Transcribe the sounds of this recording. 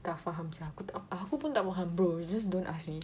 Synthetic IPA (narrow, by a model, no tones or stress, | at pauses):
t̪afaɦãmt͡ʃaakut̪aakupũnt̪amaɦãmbɹod͡ʒəs̬dõnʔasmi